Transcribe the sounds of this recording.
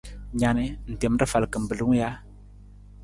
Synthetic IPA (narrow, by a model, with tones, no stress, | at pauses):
ɲa˨ne˦n̩˨te˨m˦ɾə˦fa˨lkə˨m̩˨bə˨lu˦ŋ˦ja˦